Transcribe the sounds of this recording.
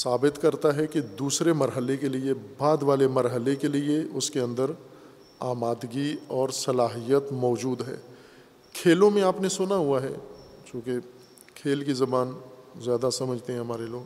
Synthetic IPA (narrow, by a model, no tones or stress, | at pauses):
saːbɪt̪kɐɾt̪aɦɛkid̪uːsɾemɐɾɦəlekeliebaːd̪ʋaːlemɐɾɦəlekelieʊskeɐ̃nd̪əɾ | aːmaːd̪ɡiɔːɾsɐlaːɦijət̪mɔːd͡ʒuːd̪ɦɛ̰ː | kʰeːlõmẽaːpnesʊnaɦuaɦɛ̰ːd͡ʒõːke | kʰeːlkizɐbaːnzjaːd̪asɐməd͡ʒʱt̪eɦɛ̃ɦɐmaːɾeloːɡ